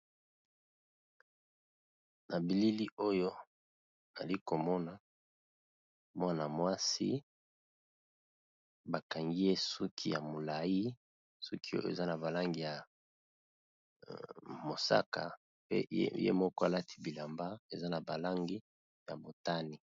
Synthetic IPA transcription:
na˨bi˨li˦li˦o˦jo˦ | na̰˨li˦ko˨mɔ˦na˨ | mwa˦na˨mwa˦sḭ˦ | ba˨ka˨ŋɡi˦je˦su˦kʰi˦ja˨mo˨la˨ji˦ | su˦ki˦o̰˦jo̰˦˨ḛ˨za˦na˨ba˨la˦ŋɡi˨ja˨ | mo˨sa̰˦ka̰˨ | pḛ˦jḛ˦mɔ˦kɔ˦a˨la˦tʰi̥˨bi˨la˨mba˦e˨za˦na˨ba˨la˦ŋɡi˦ | ja˨bo˨ta˦ni˨

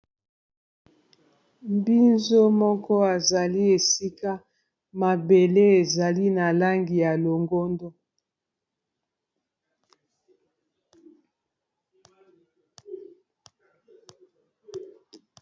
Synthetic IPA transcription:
mbi˦nzo˦mɔ˦kɔ˦a˨za˨li˦e˨si˦ka˦ | ma˨be˨le˦e˨za˨li˦na˨la˦ŋɡi˨ja˨lo˨ŋɡo˦ndo˦

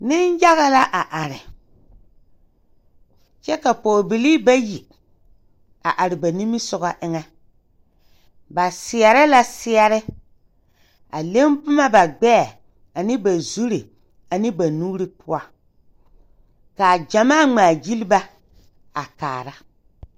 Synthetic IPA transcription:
nɪ˦nja˦ɣa˦la˦ʔa˨ʔa˨ɾɪ˨ | t͡ʃɛ˦ka˨poː˨bi˨liː˦ba˦ji˨ | a̰˨ʔa˨ɾɪ˨ba˨ni˦mɪ˦sʊ˨ɣa˦ʔɪ˦ŋɛ˦ | ba˨sɪ˨ɛ˨ɾɪ˦la˦sɪ˦ɛ˦ɾɪ˦ | a˨le˦mpʊ˦ma˦ba˨ɡ͡bɛ˦˨ | a˨nɪ˦ba˨zu˦ɾi˨ | a˨nɪ˦ba˨nuː˦ɾi˦pʊ˦a˨ | ka˨d͡ʒa˨maː˦˨ŋ͡maː˨d͡ʒi˦li˦ba˦ | a˨kaː˨ɾa˦

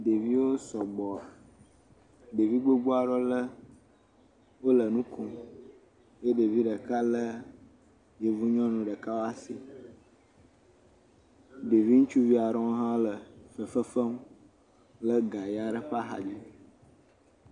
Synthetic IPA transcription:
de˨vi˦wo˦sɔ˨ɡ͡bɔ˨ | ɖe˨vi˦ɡ͡bo˦ɡ͡bu˦a˨ɖɔ˦lə˦ | wo˦lə˨nũ˦kʰu˨m | je˦ɖe˨vi˦ɖə˨ka˦lə˦ | je˨vu˦ɲɔ̃˦nũ˨ɖə˨ka˦wo˦a˦si˨ | ɖe˨vi˦ŋũ˦t͡ʃu˦vi˦a˨ɾɔ̃˦ɦã˦o˦lə˨fə˨fə˦fə˦m | lə˦ɡa˨ja˨ɖə˨ɸa˦ɦa̰˨d͡ʒi˦

